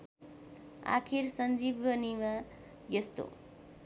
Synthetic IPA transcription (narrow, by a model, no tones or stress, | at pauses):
a̰kʰirsʌnd͡zibʌnima | jʌst̪o̰